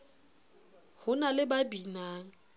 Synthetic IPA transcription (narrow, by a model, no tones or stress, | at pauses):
hʊnalɪbabinaːŋ̩